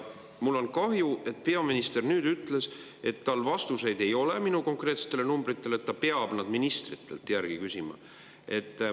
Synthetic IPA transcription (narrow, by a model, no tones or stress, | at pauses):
mulːo̞nkɑɦjue̞t̪̚pe̞ɑminist̪e̞rnyːd̪yt̪ˑle̞s | e̞t̪ːɑlvɑst̪use̞jd̪e̞jo̞le̞minuko̞ŋkre̞ːt̪se̥t̪ːˑelenumbɾit̪ːˑe̞let̪ːɑpe̞ɑb̥nɑd̪̥minist̪rit̪ːˑe̞̰lt̪jærɡ̥ikysʲimɑ̰ | ʔe̞t̪ː